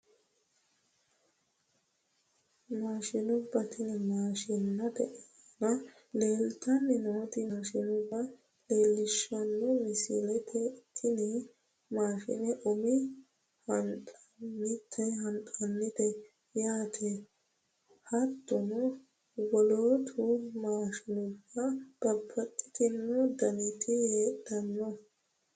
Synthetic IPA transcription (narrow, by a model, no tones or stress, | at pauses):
maːʃɪnʊbːɐt̪ɪnɪmaːʃɪnːɐd̪ɛʔe | nɐ | le̞ːlt̪ɐnːɪnoːt̪ɪmaːʃɪnʊbːɐ | leːlːɪʃɐnːɔmɪsḭːlɛt̪ʰɛt̪ːɪnɪ | maːʃɪ̰nɛʔʊmɪ | hɐntʼɐnːɪt̪ʰːɛɦɐntʼɐnːɪt̪ɛ | jaːt̪ʰe | hɐt̪ːʊnɔ | wɔloːt̪ʰʊmaːʃɪnʊbːɐb̥ɐbːɐt̪ʼːɪ̥t̪ɪnːɔd̪ɐnɛt̪ʰɪheːt̪ːɐnːɔ